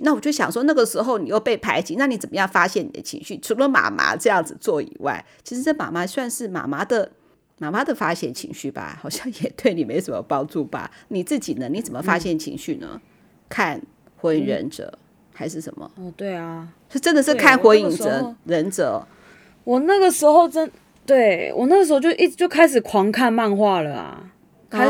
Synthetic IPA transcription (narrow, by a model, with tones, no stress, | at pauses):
na˥˩wɔ˨˩t͡ɕjo˥˩ɕjɑ̰˨˩ŋʂwɔ˥na˥˩ɡə˩ʂɻ̩˧˥xo˥˩ʊni˨jo˥˧ʊpe˥˩ɪpʰa˧˥ɪt͡ɕi˧˥na˥˩ni˨˥t͡sə˨˩mə˦jɑ˥˩ŋfa˥ɕjɛ˥˩ni˨˩d̪ə˦t͡ɕʰḭ˧˥ŋɕy˥˩ʈ͡ʂʰu˧˥lə˧˦ma̰˨˩ma̰˧˥ʈ͡ʂɤ˥˧jɑ˥˩ŋd͡zɹ̩˨˩t͡swɔ˥˩ḭ˨˩wa̰˥˩ɪt͡ɕʰi˧˥ʂɻ̩˧ʈ͡ʂə˥˩ma̰˨˩ma˧˥swa˥˧nʂɻ̩˥˩ma̰˨˩ma˥d̪ə˨ | ma˨˩ma˥d̪ə˨fa˥ɕjɛ˥˩nt͡ɕʰḭ˧˥ŋɕy˥˩ba̰˨˩xɑ˨˩ʊɕjɑ˥˩ŋjɛ˨˩t̪we˥˩ɪni˨˩me˧˥ɪsə˨˩mə̰˦pɑ˦˥ŋʈ͡ʂu˥˩ba̰˨˩ni˨˩t͡sɹ̩˥˩t͡ɕi˨˩nə˦ni˧˥t͡sə˨˩mə˨˦fa˥ɕjɛ˥˩nt͡ɕʰḭ˧˥ŋɕy˥˩nə̰˩˦ | kʰa˥˩n | xe˧˥i˨˩ŋɻə̰˧˥nʈ͡ʂɤ̰˨˩˦ | xa˧˥ɪʂɻ̩˥˩ʂə˧˩nmə̰˦˧t̪we˥˩ɪa˩t͡ɕo˥˧ʈ͡ʂə˦˥nd̪ə˨ʂɻ̩˥kʰa˥˩nxwe˧˥i˨˩ŋ˧ə˨˦ɻə˧˦˥nʈ͡ʂɤ̰˨˦ | wɔ˨˩na˥˩ɡə˨˩ʂɻ̩˧˥xo˥˧ʊʈ͡ʂə˦˥n | t̪we˥˩ɪwʔɔ̰˨˩na˥˩ɡə˩ʂɻ̩˧˥o˧t͡ɕo˥ʊ˥˧i˥˧t͡ɕjo˥˩kʰa˥ɪʂ̬ɻ̩˨˩kʰwɑ˧˥ŋkʰa˥˧nma˥˧nxwa˥˩lə˩a̰˩ | kʰ